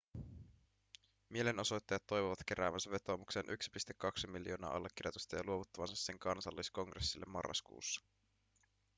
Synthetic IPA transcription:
mie̞leno̞so̞jt̪ːɑjɑt̪ːo̞jʋoʋɑt̪k̟e̞ɾæːʋænsæʋe̞t̪o̞ːmukse̞ːnʔyksi̥pist̪ekːɑksimiljo̞ːnɑ̰ːʔɑ̰lːekːirjot̪ust̪ɑjɑluoʋut̪ːɑʋɑnsɑsːe̞ŋkɑnsɑlːisko̞ŋɡresːilːemːɑ̰rːɑ̰skṵːsːɑ̥

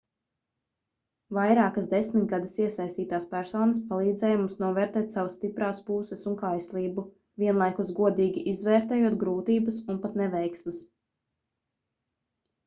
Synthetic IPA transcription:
vajɾaːkazd̪ɛsmit̪̚ɡad̪ɐsiɛsajst̪iːt̪aːspæɾsɔːnəspalˠiːd̪zɛːjmumsnuɔvɛːɾt̪ɛːt̪savɐsːt̪ipɾaːspuːsɛsuŋkajslˠiːbu | viɛnlˠajkusɡuɔd̪iːɡʲiʔizvɛːɾt̪ɛːjuɔt̪ɡɾuːt̪iːbɐsunpat̪nɛvɛjksmɪs

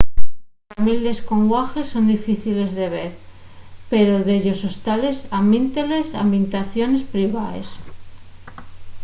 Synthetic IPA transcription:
amile̞sko̞ŋɡwaxe̞sːo̞nd̪ifiθile̞zðe̞β̞e̞ɾ | pe̞ɾo̞ðeʝo̞sost̪ale̞samint̪ele̞sa̰mbint̪aθjo̞ne̞spɾiβ̞aḛs

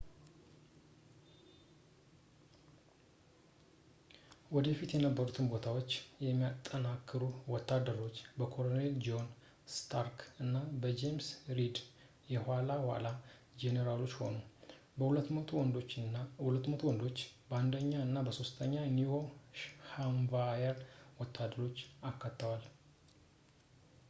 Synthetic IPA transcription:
wɔd̪əfit̪jɛnəbːəɾut̪ʰɨnbo̞t̪ʰawo̞t͡ʃːjɛmːijat̪ʼːənakʰːɨɾuwɔt̪ʰːad̪ːəɾo̞t͡ʃːbəkʰo̞lone̞ld͡ʒo̞n | st̪ʰaɾkɨnːabəd͡ʒemsɾid̪ | jɛhʷalawa̰la | d͡ʒeneɾalo̞t͡ʃːho̞̰nu | bəh̪ʰɔnd̪ot͡ʃːhulət̪ːmət̪ʰuwɔnd̪o̞t͡ʃːband̪əɲːaɨnːabəso̞st̪ʰəɲːaniwoʃhamvajəɾwɔt̪ʰːad̪əɾo̞t͡ʃːakːat̪ːəwal

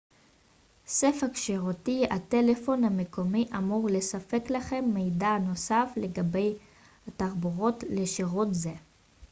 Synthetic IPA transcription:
sefakʃeʁotiate̞le̞fo̞nhame̞ko̞miʔamuʁle̞safe̞klaχe̞mːe̞jdano̞safle̞ɡabe̞j | hataʁbuʁo̞tleʃeʁotze

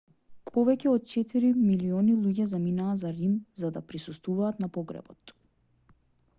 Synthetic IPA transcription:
pɔvɛcɛɔt̪̚t͡ʃɛt̪iɾimiliɔnilˠuɟɛzaminaːzaɾimzad̪apɾisust̪vuvaːt̪napɔɡɾɛ̰bɔt̪

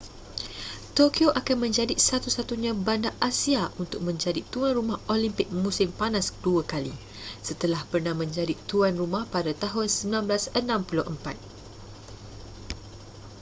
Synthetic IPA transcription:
t̪okioʔakanmə̃ɲd͡ʒadisat̪usat̪uɲãbandaʔasiaʔunt̪ʊk̚mə̃ɲd͡ʒadit̪uanrumaholimpɪk̚mũsɪmpanasduakali | sət̪əlahpərnahmə̃ɲd͡ʒadit̪uanrumahpadat̪aɦʊnsəmbilanblasənãmpulʊhʔə̰mpat̪̚

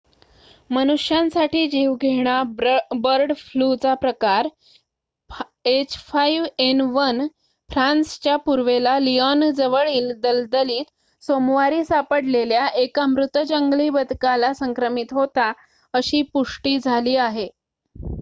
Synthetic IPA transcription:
mənuʂjãnsaʈiːd͡ʑiʋɡʱeɽ̃abəɾɖflut͡sapɾəkaɾ | et͡ɕfaiʋenʋən | fɾanst͡ɕjapuɾʋelaliɔnd͡zəʋəɭiːld̪əld̪əliːt̪ | somʋaɾiːsapəɽleljaʔekamɾut̪d͡ʑəŋɡliːbəd̪ʱkalasəŋkɾəmit̪ɦot̪a | əɕiːpuʂʈiːd͡zʱaliːaɦe

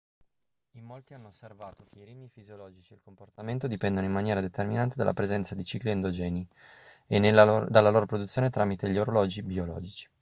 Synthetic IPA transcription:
imːolt̪ianːoosːervaːt̪okeiɾiːmifizjolɔːd͡ʒit͡ʃielkomport̪ament̪od̪ipɛnd̪onoimanjɛːɾad̪et̪erminant̪ed̪a̰lːʔa̰pɾezɛnt̪sad̪it͡ʃikliend̪od͡ʒɛːniend̪alːaloːɾopɾod̪ut̪sːjoːnet̪ɾaːmit̪eʎoɾolɔːd͡ʒibiolɔ̰ːd͡ʒit͡ʃi̥

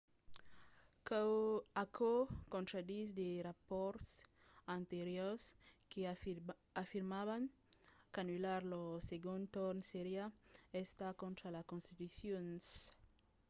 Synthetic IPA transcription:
akʰokõnt̪ɾad̪isd̪erapoɾts | ãnt̪eɾjoske | afiɾmaβaŋ | kanulaɾloseɡũnt̪oɾnseɾjaest̪akõnt̪ɾalakonst̪it̪usjons

